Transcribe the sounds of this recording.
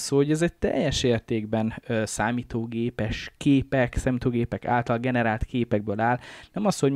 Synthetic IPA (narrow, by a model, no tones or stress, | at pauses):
soːoɟɛzɛct̪ɛ̰jɛʃeːrt̪eːɡbɛnøsaːmiːt̪oːɡeːpɛʃkeːpɛksaːmit̪oːɡeːpɛka̰ːlt̪ɒlɡɛnɛɾaːlt̪keːpɛɡ̚bøːlaːlnɛmɒshoɟ